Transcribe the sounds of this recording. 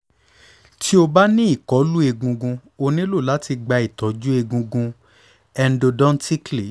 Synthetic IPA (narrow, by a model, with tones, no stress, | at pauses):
tʰi˦o˧ba˦nĩ˦i˦˨kɔ˨˦lu˦e˧ɡũ˧ɡũ˧o˧nĩ˦lo˦˨la˨˦ti˧ɡ͡ba˧i˨tɔ˨˦d͡ʒu˦e˧ɡũ˧ɡũ˧ | ɛ˧n̩˦do˧dɔ̃˦n˦ti˦kli˨